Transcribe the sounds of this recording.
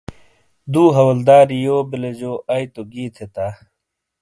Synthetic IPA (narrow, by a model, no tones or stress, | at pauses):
d̪uːɦɐwɐld̪aːɾijoːbiled͡ʑoːʔɐjt̪oɡiːt̪ʰet̪aː